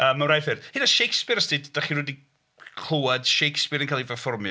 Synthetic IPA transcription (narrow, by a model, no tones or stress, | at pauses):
əːmːawrajfɪrhɪdaʃejkspɪɾəstɨdd̥aχiɾudi | kʰl̥ˠʊwad̥ʃejkspɨɾə̃nkʰaːlˠivəfɔrmj